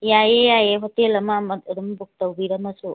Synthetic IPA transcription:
jajejajeɦɔtelɐmamɐtuɾumbuk̚tɐwbiɾɐmɐsu

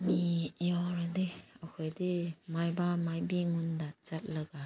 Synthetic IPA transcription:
mijɔɾadeakʰɔjdemajbamajbiŋundat͡ʃat̚ləɡa

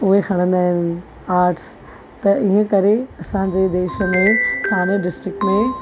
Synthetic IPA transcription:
ʊɦexɐɽ̃ə̃nd̪aːɦɪnɪ̆ | aːɾʈs | t̪ɐʔiɦə̃kɐɾeɐsãd͡ʑeːd̪eːʃə̆mẽhaːnəɖɪsʈɾɪk̚ʈmẽ

